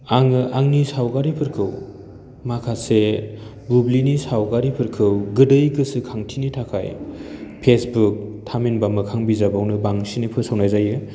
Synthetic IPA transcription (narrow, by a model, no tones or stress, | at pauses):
aŋɯʔaŋnisawɡaɾipʰɯɾkʰɯw | makʰase | bublinisawɡaɾipʰɯɾkʰɯwɡɯdɯjɡɯsɯkʰaŋtʰinitʰakʰa̰jpʰesbuk̚tʰaminbamɯkʰaŋbizabawnɯbaŋsinipʰɯsawnajzajɯ